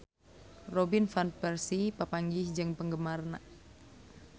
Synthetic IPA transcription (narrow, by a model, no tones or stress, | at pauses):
robɪnfanpɛrsipapaŋɡɪsd͡ʒɨŋpəŋɡəmarnaʔ